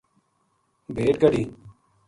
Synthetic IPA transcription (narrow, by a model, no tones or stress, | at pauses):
bʱeːʈ̚ɡəɽiː